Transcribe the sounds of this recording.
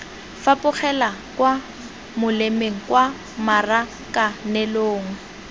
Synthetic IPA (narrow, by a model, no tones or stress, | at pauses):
fapʊχɛlakwa | mʊlemeŋ̩kwa | mara | kʼanɛloːŋ̩